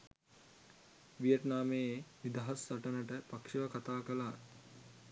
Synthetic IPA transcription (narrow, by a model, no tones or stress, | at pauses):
ʋijətnaːmeːenid̪aɦɐsːɐʈənəʈəpakʂiʋakat̪aːkəlaː